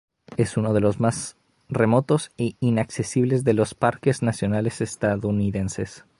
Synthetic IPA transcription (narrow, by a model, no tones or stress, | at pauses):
e̞suno̞ð̞e̞lo̞zmas | re̞mo̞t̪o̞siinakse̞siβle̞zðe̞lo̞spaɾke̞znasjo̞nale̞sest̪aðouniðe̞nse̞s